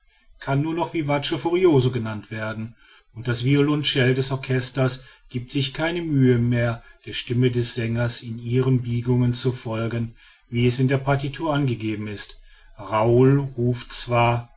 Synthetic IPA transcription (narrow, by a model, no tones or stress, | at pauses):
kʰanːuːɐnɔχv̥iːvat͡ʃəfuʁioːzoɡənantv̥eːɐdn̩ | ʔʊnt̚d̥asv̥iolʊnʃɛldɛsɔɐkʰɛstɐsɡ̥iːp̚tz̥ɪçkʰaɪnəmyːəmeːɐd̥eːɐʃtɪmədɛsz̥ɛŋɐsɪniːʁənbiːɡʊŋənt͡sufɔlɡən | viːɛsɪndeːɐpaɐtitʰuːɐʔanɡəɡeːbm̩ɪst | ʁaʊlʁuːftt͡sv̥aːɐ